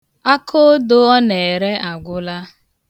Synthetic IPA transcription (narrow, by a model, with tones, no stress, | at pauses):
a˦kʰo˦do˦ɔ˦ne˨e˨ɾe˦ʔa˨ɡʷʊ˦la˦